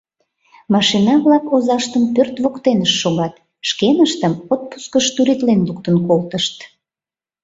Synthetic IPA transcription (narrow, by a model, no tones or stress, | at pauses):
mɑʃinɑβlɑkozɑʃt̪əmpørt̪βokt̪enəʃːoɣɑt̪ | ʃkenəʃt̪əmot̪̚pu̥skəʃt̪uɾit̪lenluk̚t̪ənkolt̪əʃt̪